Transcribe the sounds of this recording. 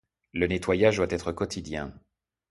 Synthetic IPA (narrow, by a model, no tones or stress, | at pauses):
lənet̪wajaʒd̪wat̪ɛt̪χəkɔt̪ʰid̪jɛ̃